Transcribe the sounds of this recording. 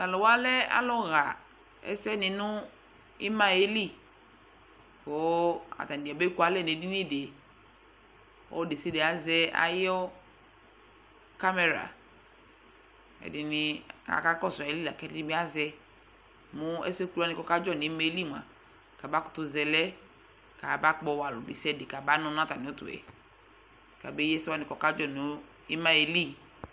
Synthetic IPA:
a˨lɔ˨wa˦lɛ˦a̰˦lɔ˦ɣa˨ | ɛ̰˦sɛ˦nɪ̃˨nʊ˦ | ɪ˦ma˦e˦li˦˨ | ko˨˦a̰˨t̪a˨di˨a˨be˦ku˦a˨˦lɛ˦˨n˨e˨di˦ni˦˨de˨ | ɔ̰˦de˨si˦de˨a˨zɛ˦a̰˦jɔ˦ | ka˦mɛ˨ɾa̰˨ | ɛ̰˨di˨ni˦a̰˨ka˦kɔ˦˨sa˨e˨li˦la˨kɛ˦di˦ĩ˦bi˦a˦zɛ˦ | mu˦ḛ˦se˦ku˦a˦ni˨kɔ˨ka˦d͡ʒɔ˦ni˨˦me˦li˦˨mʷ˨a̰˨ | ka˨ba˦kʊ̥˨tu˦zɛ˨lɛ˦ | ka˨ba˦k͡pɔ˦˨wa˨lu˨de˨sɛ˦˨de˨ka˨ba˦nɔ̃˦n˦a˦ta˨nĩ˨o˦tṵ˨ɛ̰˨ | ka˨be˦jɛ˦sɛ˦wa˨˦ni˨kɔ˨ka˦d͡ʒɔ˦˨nu˨˦ | i˦ma˦e˨li˦

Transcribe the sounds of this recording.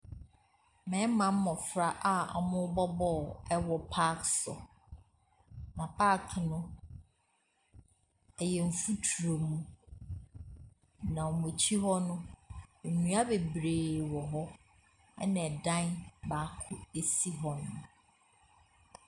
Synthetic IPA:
mɛ̃˨˦mã˨m̩˦mɔ̃˨fɾa˦ʔa˦a̰˨mʊ̃˦bɔ˦bɔ˦˨ɛ˦wɔ˨pʰa˦ksɔ̰˨ | mã˨pʰa˦˨kʰnʊ̃˦ | ɛ˨jɛ˨ɱ̩˨fu˦tʰu˨ɾo˨mũ˦ | nã˨ɔ˨mo˨t͡ɕʰi˦ɦɔ˦nʊ̃˦˨ | nũ˨˦a˦be˨bɾeː˨wɔ˨ɦɔ˦ | ɛ̰˦nɛ̃˨dã˦nba˨˦kʰʊ˦e˨si˦ɦɔ̃˨nːʊ̃˨

